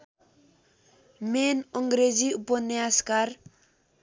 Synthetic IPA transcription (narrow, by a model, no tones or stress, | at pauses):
menɔŋɡɾeziupɔnejaskar